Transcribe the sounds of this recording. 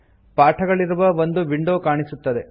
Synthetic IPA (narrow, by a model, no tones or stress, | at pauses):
paːʈʰɐɡɐɭiɾuʋɐʋond̪uʋiɳɖoːkaːɳisut̪ːɐd̪e